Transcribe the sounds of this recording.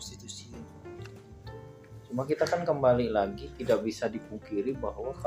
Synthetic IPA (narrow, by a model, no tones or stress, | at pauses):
t͡ʃumakit̪akankəmbalilaɡit̪idakbisadipuŋkiɾibaɦwaka